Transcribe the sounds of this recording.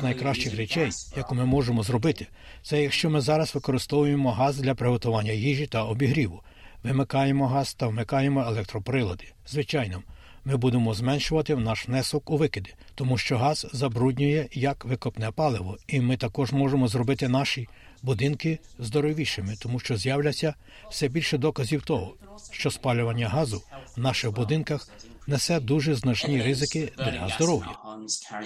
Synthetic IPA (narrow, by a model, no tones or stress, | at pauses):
nɐjkɾɑʃt͡ʃɪxɾɛt͡ʃɛjjɐkumɪmɔʒemɔzɾɔbɪt̪ɪ̥ | t̪sɛjɐkʃt͡ʃɔmɪzɑɾɐsʋɪkɔɾɪst̪ɔʋʊjemɔɦɑzd̪lʲɐpɾɪɦɔt̪ʊʋɑnʲːɐɦiʒit̪ɐɔbʲiɦɾʲiʋʊ | ʋɪmɪkɑjemɔɦɑz̥t̪ɐʋmɪkɑjemɔelˠɛk̚t̪ɾɔpɾɪlˠɔd̪ɪ̥zʋɪt͡ʃɑjnɔm | mɪbud̪emɔzmɛnʃʊʋɐt̪ɪwnɑʃʋnɛsɔkuʋɪkɪd̪ɪ | t̪ɔmuʃt͡ʃɔɦɑz̥ːɐbɾudʲnʲʊjɛjɐkʋɪkɔpnɛpɑlˠɪʋɔimɪt̪ɐkɔʒmɔʒemɔzɾɔbɪt̪ɪnɑʃi | bʊd̪ɪnkɪ | zd̪ɔɾɔʋʲiʃɪmɪt̪ɔmuʃt͡ʃɔzjawlʲɐt͡sʲːɐ | w̥sɛbʲilʲʃɛd̪ɔkɐzʲiwt̪ɔɦɔ | ʃt͡ʃɔspɑlʲʊʋɐnʲːɐɦɑzʊwnɑʃɪwbʊd̪ɪnkɐx | nɛsɛd̪uʒɛznɐt͡ʃnʲiɾɪzɪkɪd̪̥lʲɐɦɐzd̪ɔɾɔwjɐ̰